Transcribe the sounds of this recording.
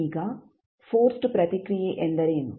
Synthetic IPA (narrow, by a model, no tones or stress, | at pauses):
iɡa | foːɾsʈɨpɾɐt̪ikɾijeʔend̪ɐɾeːunṵ